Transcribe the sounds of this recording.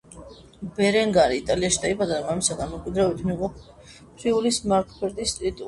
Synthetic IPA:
bɛɾɛŋɡaɾiːt̪ʼaliaʃid̪aibad̪aɔamisaɡanmɛkʼwid̪ɾabit̪ʰmiqʼɔ | pʰɾiulismaɾkʰbɛɾd̪ist̪ʼɾit̪ʼu

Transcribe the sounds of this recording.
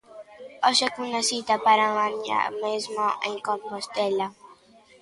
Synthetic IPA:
ɔʃɛkunasit̪apaɾaaɲa̰mezmoʔḛ̃ŋkõmpost̪ɛla

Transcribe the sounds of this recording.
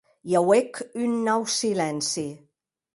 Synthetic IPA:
jawekʰynːawsilænsi

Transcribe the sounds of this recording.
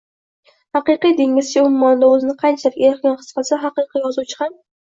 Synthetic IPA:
hɑqɨqijd̪eŋʲɪz̥t͡ʃʲɪʊmʊmːɒnɪd̪aɵzɪnɪqʰɑjnt͡ʃʰalɪkʲeɾχkʲanχɨ̥sfasɪɦɑqɨjqʰijɒzuwt͡ʃʰɪ̥ham

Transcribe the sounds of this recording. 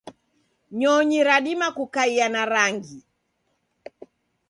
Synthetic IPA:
ɲɔɲiɾaɗimakukaianaɾaŋɡi

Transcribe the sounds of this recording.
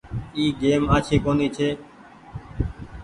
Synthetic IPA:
iːɡeːmaːt͡ʃʰiːkoːniːt͡ʃʰeː

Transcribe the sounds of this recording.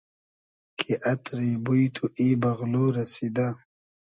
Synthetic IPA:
kʰiʔɐt̪ɾibujt̪ʰuʔibɐɣloːɾɐsid̪a

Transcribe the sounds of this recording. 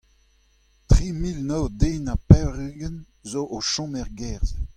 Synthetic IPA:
tʁimilnoːd̪eːnapɛʁyɡən | zoʔoʃɑ̃mɛʁɡɛʁz

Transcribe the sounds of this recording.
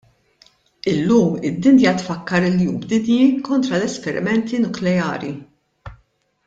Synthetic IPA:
ɪlːuːmɪd̪ːɪnjɐt̪fɐkːɐɾɪlːjuːmbd̪ɪnjikɔnt̪ɾɐlɛspɛɾɪ̰mɛnt̪inʊklɛjɐ̰ːɾi

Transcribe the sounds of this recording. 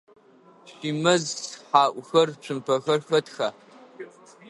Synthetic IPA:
ʃiːmɐzħaːʔʷʼxɐrt͡ʃʷʰɨmpʰɐxɐrxɐtxaː

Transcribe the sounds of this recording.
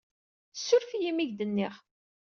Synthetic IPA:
sːʊɾfijimiʝd̪ənːɪʁ

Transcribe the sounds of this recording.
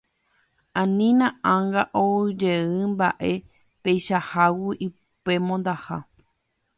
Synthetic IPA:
ãnĩnãʔãŋɡaʔod͡ʒeɨ̃mba̰ʔe̞ | pejʃahawuʔi | pe̞mõnd̪aha̰

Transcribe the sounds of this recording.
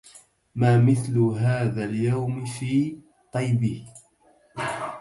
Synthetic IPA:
maːmɪθlʊɦaːðaːljawmɪfiː | t̪ˤɑjbɪh

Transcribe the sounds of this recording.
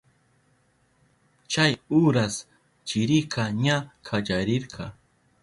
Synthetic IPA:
t͡ʃajʊɾas | t͡ʃɪɾɪkɑɲakʰad͡ʒaɾɪɾqʰɑ

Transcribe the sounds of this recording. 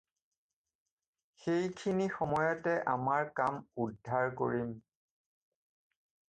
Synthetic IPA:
xejkʰinixɔmɔjɔtɛʔamaɹkamudʱːaɹko̰ɹim

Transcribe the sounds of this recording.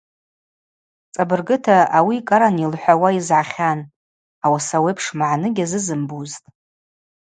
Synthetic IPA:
t͡sʼabɨrɡɨtʰaawikʼaɾanilħʷawaizʕaχʲan | awasawejpʰʂmaʕanɨɡʲazɨzɨmbuztʼ

